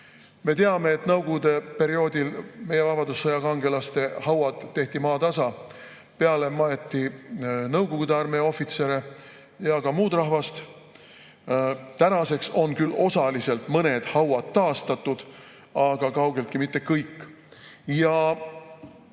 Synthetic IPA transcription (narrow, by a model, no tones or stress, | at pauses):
me̞t̪eɑme̞ːt̪nɤwɡoɡud̪e̞pe̞ɾio̞ːd̪ilme̞je̞vɑpɑd̪usːɑjɑkɑŋɡ̥e̞lɑst̪e̞hɑwɑd̪̥ːe̞ht̪imɑːt̪ɑsɑ | pe̞ɑle̞mɑjet̪ːinɤwɡ̥oɡud̪eɑrmeo̞fːit̪se̞ɾe̞ | jɑkɑmuːt̪rɑɦvɑst̪ | t̪ænɑse̞kso̞nkylːo̞sɑlise̞lt̪mɤne̞d̪̥hɑwɑd̪̥ːɑːst̪ɑt̪ːˑud̪̥ | ɑɡ̥ɑkɑwɡ̥e̞lt̪kimit̪ːe̞kːɤjkː | jɑ